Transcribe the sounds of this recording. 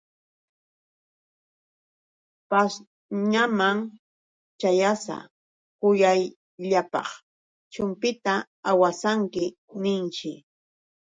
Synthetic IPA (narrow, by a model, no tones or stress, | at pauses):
pas | ɲamaŋ | t͡ʃajasa̰ | kʊjaj | ʎapɑ̰χ | t͡ʃʊmpɪt̪a | awasaŋkɪ | nɪnt͡ʃɪ